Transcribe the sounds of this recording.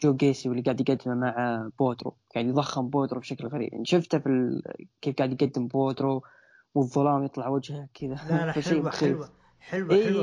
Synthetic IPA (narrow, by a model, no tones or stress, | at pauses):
d͡ʒoːɡeːsiwɪlːiɡaʕd̪jɪɡad̪ːɪmamaʕb̥oːt̪ɾo̰jaʕnijðˤɑxːɪmboːt̪ɾobʃaklɣaɾḭbʔɪ̰nʃɪft̪afilkeːfɡaːʕd̪jɪɡad̪ːɪmboːd̪ɾo | wɨðˤːɑlɑːmjɨt̪ˤlɑʕwad͡ʒhakʰɪðafaʃiːmxiː | ʔiː